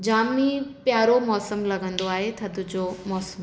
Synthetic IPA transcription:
d͡ʑaːmĩpjaːɾomɔːsəmlɐɡə̃nd̪oaːɦet̪ʰɐd̪ud͡ʑomɔːsəm

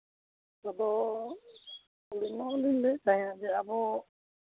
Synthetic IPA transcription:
abɔ | ulinɔlinlɛsajad͡ʒɛabɔ

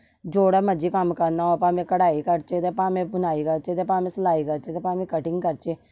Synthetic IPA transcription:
d͡ʒoːɽaməd͡ʒikamkəɾnaopãːmẽkəɽaːikəɾt͡ʃet̪epãːmẽbʊnaːiɡat͡ʃet̪epãːmẽsəlaːiɡat͡ʃet̪epãːmẽkəʈɪ̃ŋɡkəɾt͡ʃe

